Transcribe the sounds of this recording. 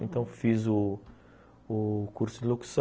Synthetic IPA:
ẽnt̪ɐ̃w̃fizʊ | kuɾsʊd̪iloku̥s

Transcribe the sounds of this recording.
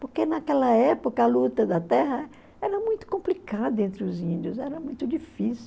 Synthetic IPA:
poɾkenakɛlɐɛpokɐɐlut̪ɐd̪ɐt̪ɛɦɐ | ɛɾɐmũj̃t̪ʊ̥kõmplikad̪ʊẽnt̪ɾɪʊzĩnd̪ʊzɛɾɐmũj̃t̪ʊd͡ʒifisi

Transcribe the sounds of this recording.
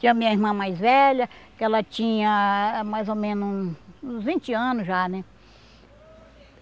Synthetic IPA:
t͡ʃĩɲɐmĩɲɐiɾmɐ̃majzvɛʎɐkɪɛlɐt͡ʃĩɲɐmajzomẽnʊsũzvĩnt͡ʃɪɐ̃nʊzʒanɛ

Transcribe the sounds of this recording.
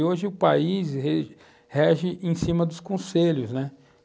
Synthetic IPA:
oʒɪʊpa̰izɦe | hɛʒɪʔẽj̃sĩmɐd̪ʊskõseʎʊznɛ

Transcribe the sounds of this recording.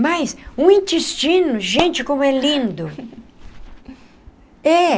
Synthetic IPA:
majsũĩnt̪est͡ʃĩnʊʒẽnt͡ʃɪkõmʊɛlĩnd̪ʊ | ɛ

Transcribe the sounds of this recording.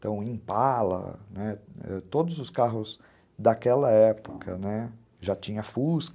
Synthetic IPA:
t̪ɐ̃w̃ẽj̃palɐ̰nɛɛ̰t̪od̪ʊzʊskaɦʊz | d̪akɛlɐɛpʊ̥kʰɐnɛ | ʒat͡ʃĩɲɐfusk

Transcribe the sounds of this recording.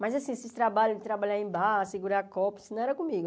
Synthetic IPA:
mɐzasĩsist̪ɾabaʎʊɪt̪ɾabaʎaẽbasiɡuɾakɔpi̥snɐ̃w̃ɛɾɐkõmiɡʊ

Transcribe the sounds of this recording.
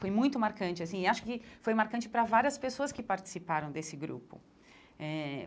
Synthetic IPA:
fojmũj̃t̪ʊmaɾkɐ̃t͡ʃɪasĩɪaʃʊ̥kɪfojmaɾkɐ̃nt͡ʃɪpɾɐvaɾiɐspesoɐskɪpaɾt͡ʃi̥sipaɾɐ̃w̃d̪esɪɡɾṵpʊ̰ | ɛ

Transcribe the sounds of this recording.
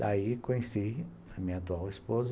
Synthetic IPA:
d̪aikõɲesi | ɐmĩɲɐat̪uawispoz

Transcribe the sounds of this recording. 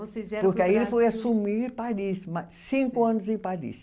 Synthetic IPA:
vosezpʊɾkkɪaielɪfojasumiɾpaɾismasĩkʊɐ̃nʊzẽpaɾḭs

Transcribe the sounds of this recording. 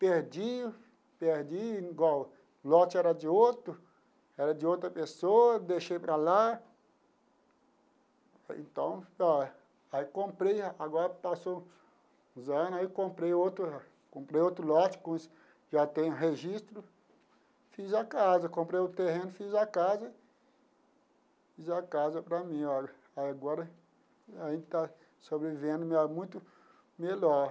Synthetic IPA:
peɾd͡ʒi | peɾd͡ʒiiɡwaw | lɔt͡ʃɪɛɾɐd͡ʒɪot̪ɾʊ | ɛɾɐd͡ʒɪot̪ɾɐpesoɐd̪eʃejpɾɐla | ḛ̃nt̪ɐ̃w̃ɔ | aikõpɾejaɡɔɾɐpaso | ũzɐ̃nʊaikõmpɾejot̪ɾʊ | kõmpɾejot̪ɾʊlɔt͡ʃɪ̥kõis | ʒat̪ẽj̃ũɦeʒist̪ɾʊ | fizakazɐkõmpɾejʊt̪eɦẽnʊfizakazɐ | fizakazɐpɾɐmĩɔ | ajaɡɔɾɐ | aʒẽnd͡ʒ̪ɪt̪a | sobɾevivẽnd̪ʊmɪamũj̃t̪ʊ | melɔ

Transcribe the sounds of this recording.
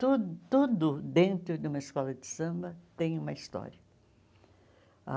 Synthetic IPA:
t̪ud̪ʊt̪ud̪ʊd̪ẽnt̪ɾʊd͡ʒ̪ɪũmɐɪskɔlɐd͡ʒɪsɐ̃mbɐt̪ẽj̃ũmɐist̪ɔ̰ɾiɐ | a̰

